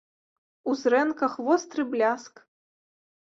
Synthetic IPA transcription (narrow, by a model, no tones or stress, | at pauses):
uzɾɛnkɐxvɔst̪ɾɨblʲask